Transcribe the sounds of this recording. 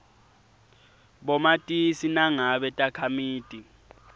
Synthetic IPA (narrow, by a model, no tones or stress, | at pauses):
ɓɔmatʼisinaŋaɓɛtʼakʰamiːtʼi